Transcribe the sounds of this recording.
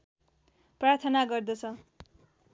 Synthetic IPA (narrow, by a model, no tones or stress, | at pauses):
prart̪ʰʌnaɡʌrd̪ʌt͡sʰʌ